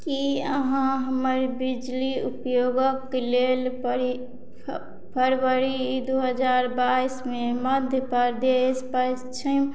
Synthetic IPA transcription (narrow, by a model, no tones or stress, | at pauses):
kiəɦãɦəməɾbid͡ʒliupjoɡəkːelel | pʰəɾwəɾid̪uɦəd͡ʒaɾbaismeməd̪ʱjəpəɾd̪espə | t͡ʃʰəm